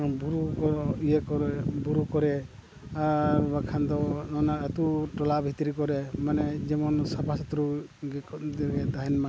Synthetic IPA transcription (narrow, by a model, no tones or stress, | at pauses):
buɾukɔɾɔijekɔɾɛbuɾukɔɾɛ | aɾbakʰand̪ɔnɔnaat̪uʈɔlabʱit̪ɾikɔɾɛmanɛd͡ʒɛmɔnsabʱasɔt̪ɾuɡd̪ɡɛd̪aɦinma